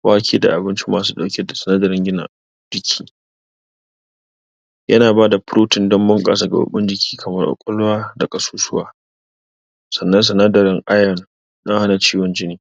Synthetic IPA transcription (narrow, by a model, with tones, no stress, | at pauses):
waː˦kʲʰeː˦da̰˨ʔa˨bɪ˦nt͡ʃi˦maː˨s̬uː˦ɗa˨wkʲe˦da˨sɐ˨naː˦dɐ˨ɾɪ˦ŋɡʲɪ˦na̰˨ | d͡ʒɪ˦kʲʰiː˦ | jɐ˦naː˨baː˦da˨pʊ˦ɾoː˦tɪ˨ndɔ˦mbɐ˦ŋkʼa̰ː˨sa˦ɡa̰˨ʊ̰˨ɓɪ˦nd͡ʒɪ˨kʲʰiː˦kʰɐ˨mɐ˦rʔa̰˨kʷʼɔ˦laː˦da˨kʼɐ˨suː˦sʊ˦wa̰ː˦ | sɐ˨nːɐ˦ns̬ɐ˨naː˦dɐ˨ɾɪ˦ŋʔa˦jɔ˨n | ɗɐ˦ŋha˦na˨t͡ʃiː˦wɔ˨˦nd͡ʒɪ˦niː˨